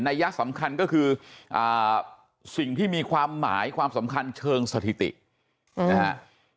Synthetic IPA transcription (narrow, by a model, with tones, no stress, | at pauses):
na˧jːa˦˥ʔsa˩˦mkʰa˧nkɔː˥˩kʰɯː˧ʔaː˨˩ | si˨˩ŋt̪ʰiː˥˩miː˧kʰwaː˧mːaː˩˦jkʰwaː˧msa˩˦mkʰa˧nt͡ɕʰɤː˧ŋsa˧t̪ʰi˨˩t̪ḭ˨˩ʔ | na˦˧ha˦˥